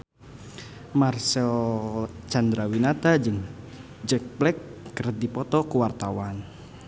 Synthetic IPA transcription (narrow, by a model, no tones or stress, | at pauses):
marsɛl | t͡ʃand̪ɾawinat̪ad͡ʒɨŋ | d͡ʒɛk̚blɛkːərdipɔt̪ɔkuwart̪awan